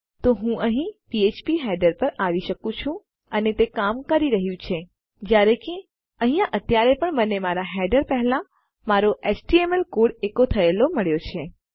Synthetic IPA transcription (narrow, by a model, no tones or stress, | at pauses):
t̪oɦũʔəɦĩpiet͡ʃpiɦɛɖəɾpəɾaʋiʃəkũt͡ʃʰũ | ənet̪ekamkəɾiɾəɦjũt͡ʃʰe | d͡ʒjaɾeke | ə̃ɦĩjãʔət̪jaɾepəɳmənemaɾaɦɛɖəɾpɛɦlã | maɾoʔet͡ʃʈiemelkoɽekot̪ʰəeloməɭjot͡ʃʰe